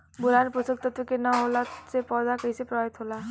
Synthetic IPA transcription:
bulanpusək̚t̪ət̪ʋekenəɦolasepɔɾd̪akəisepɾɔbaɦit̪ɦola

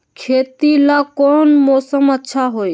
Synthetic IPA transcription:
kʰeːt̪ilakɔːnmɔːsəmətːʃʰaɦoj

